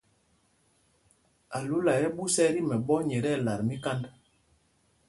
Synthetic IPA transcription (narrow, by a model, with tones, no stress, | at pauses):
a˨lu˦la˨jɛ˦ɓu˦sɛ˦ɾi˦mɛ˨ɓɔ˦ɲɛ˨ɾɛ˦˨la˨ɾmi˦ka˦nd